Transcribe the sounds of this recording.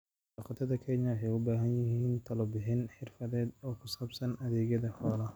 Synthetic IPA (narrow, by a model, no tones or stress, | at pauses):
ɑqɑt̪ʰɐðɐkʰɛːnjɐwħɛjʊbaːɦɐnjɪɦɦiːnt̪ʰɐlɔbɪħɪnħɪrfɐðɛːd̪ɔːkʰʊsɐːbsɐnɐðɛːɣjɐðɐhɔːlɐ